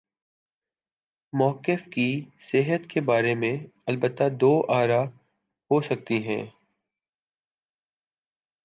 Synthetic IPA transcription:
mɔːkəfkisɪɦət̪kebaːɾemẽɐlbət̪ːad̪oːʔaːɾa | hosɐk̚t̪iɦɛ̰̃ː

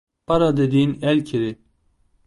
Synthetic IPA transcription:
paɾad̪ed̪iːnɛlcʰiɾi

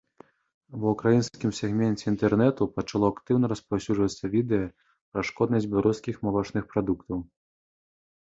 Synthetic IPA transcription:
vɐukɾajinskʲimsʲɛɣmʲɛnʲt͡sʲɛint̪ɛrnɛt̪upɐt͡ʂalˠɔakt̪ɨwnɐɾɐspawsʲud͡ʐvɐt̪sːɐvʲid̪ɛjɐ | pɾɐʂkɔd̪nɐsʲd͡zʲbʲɛlˠaɾuskʲixmalˠɔt͡ʂnɨxpɾad̪ukt̪ɐw

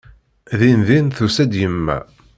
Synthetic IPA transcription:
ðinðinθusæd̪jəmːæ̰

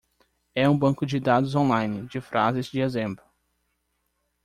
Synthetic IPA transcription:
ɛũbɐ̃ŋkʊd͡ʒɪd̪ad̪ʊzõlajnɪd͡ʒɪfɾʔa̰zɪzd͡ʒɪezẽmbɾʊ

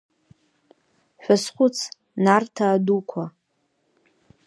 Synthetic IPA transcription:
ħʷᶣasχʷʊt͡sʰ | nartʰaːdukʷʰa

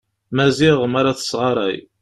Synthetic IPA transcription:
mæziʁmaɾaθə̥sʁɑɾˤæ̰j

